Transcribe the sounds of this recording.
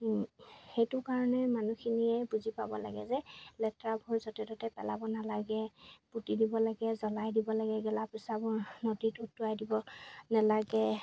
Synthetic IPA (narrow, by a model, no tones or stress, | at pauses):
xejtʊkaɹɔnɛmanuxʰiniɛbuzipabɔ̰la̰ɡɛ̰zɛlɛtɹabʱuɹzɔtɛdɔtɛpɛlabɔnalaɡɛputidibɔlaɡɛzɔlajdibɔlaɡɛɡɛlapisabɔɹnɔditutːuajdibɔnalaɡɛ